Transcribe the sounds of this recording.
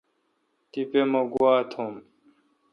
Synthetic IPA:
t̪ipemɐɡuwaːt̪ʰom

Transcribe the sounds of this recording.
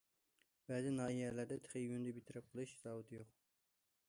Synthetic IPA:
bɛzɪnɑːijɛlæɾd̪ɛt̪ʰə̥χəjynd̪ɨbit̪ʰɪɾɪp̚qʰəlˠɨʃz̥ɑːwɨt̪ʰɨjoq̚

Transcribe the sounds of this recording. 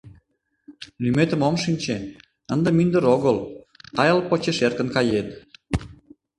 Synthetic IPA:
lymet̪ə̆momʃinʲt͡ɕe | ənd̪ə̆mynd̪əɾoɣəl | t̪ɑjəlpot͡ɕeʃerkə̆nkɑjen

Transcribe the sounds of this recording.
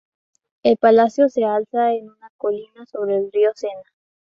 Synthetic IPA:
elpalasjo̞se̞alsaenunakolinaso̞βɾeːlriose̞na

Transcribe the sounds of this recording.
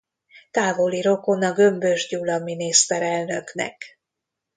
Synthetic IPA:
t̪aːvo̞liɾo̞ko̞nɒɡø̞mbøʒɟulɒminist̪ɛɾɛlnø̞knɛ̰k

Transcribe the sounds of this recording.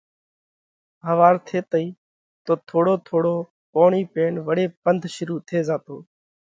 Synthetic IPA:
ɦəʋaːɾt̪ʰeːt̪əiː | t̪oːt̪ʰoːɽoːt̪ʰoːɽoː | poːɳiːpeːɳʋəɽeːpənd̪ʱʃʊɾuːt̪ʰeːzaːt̪oː

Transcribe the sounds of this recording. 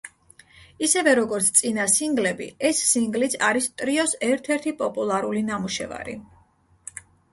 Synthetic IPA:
isɛvɛɾɔɡɔɾt̪sʰt̪sʼinasiŋɡlɛbḭɛsːiŋɡlit̪sʰaɾist̪ʼɾiɔsɛɾt̪ʰɛɾt̪ʰipʼɔpʼulˠaɾulinamuʃɛ̰va̰ɾḭ

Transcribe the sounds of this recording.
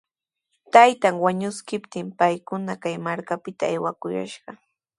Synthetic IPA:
t̪ajt̪aŋwaɲʊskɪpt̪ɪmpajkʊnakajmaɾkapɪt̪aːjwakʊja̰ʃɢɑ

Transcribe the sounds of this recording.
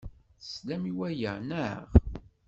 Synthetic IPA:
slæmiwæjənəʁ

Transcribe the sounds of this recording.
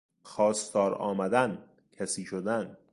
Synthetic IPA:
xɒːst̪ɒːɾɒ̰ːmæd̪æn | cʰæsiːʃod̪æn

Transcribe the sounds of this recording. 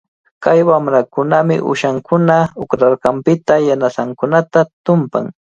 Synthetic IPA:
kajwamɾakʊnamɪ̰ʔʊ̰ʃaŋkʰʊnaʊkɾaɾɢɑmpɪt̪ajanasaŋkʊnat̪at̪ʊmpa̰ŋ

